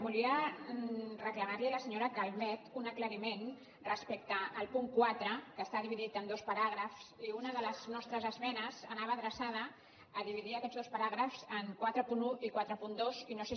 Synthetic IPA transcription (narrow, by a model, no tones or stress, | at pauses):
buliə | rəkləmarliləsəɲoɾəkalmɛt̪unəkləɾimen | rəspɛk̚t̪əːlˠpuŋkwat̪ɾəkəst̪aðiβiðit̪ənd̪ospəɾaɣɾəfsiunəðələznɔst̪ɾəzəzmɛnəzənaβəðɾəsað̞əː | ðiβiðiəkɛd̪zðospəɾaɣ̞ɾəfz̥əŋkwat̪ɾəpunuikwat̪ɾəpund̪ozinose